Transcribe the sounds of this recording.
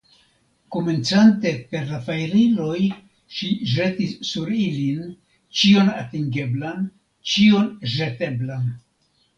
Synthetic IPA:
kome̞nt͡sante̞pe̞ɾlafajɾilo̞j | ʃiʒetisːuɾilin | t͡ʃio̞na̰tiŋɡe̞blan | t͡ʃio̞nʒete̞blan

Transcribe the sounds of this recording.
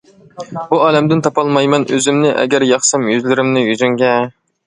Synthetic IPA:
buɑːlɛmd̪ɪnt̪ʰɑpɑlˠmɑjmɛnø̰zɪmnɪʔɛ̰ɡʲɛɾjɑχsɛmjøzlɪɾɪmnɪjyzyŋɡʲɛ

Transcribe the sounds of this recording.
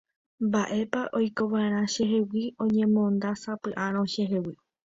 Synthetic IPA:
mbaʔe̞paʔo̞jko̞ʋaɾ̃ãʃe̞ɦewiõ̞ɲẽ̞mõnd̪asapɨʔãɾ̃õʃe̞ɦewi

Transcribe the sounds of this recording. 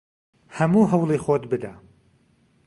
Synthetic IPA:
hɐmuːɦɐwlˠiːxoːt̪bɨd̪a

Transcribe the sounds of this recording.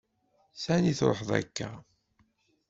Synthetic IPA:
sæniθɾ̰ˤħðˤæ̰kːæ

